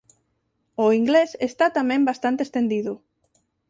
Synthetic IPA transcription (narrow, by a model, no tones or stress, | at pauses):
oiŋɡlesest̪at̪amẽmbast̪ant̪est̪end̪iðu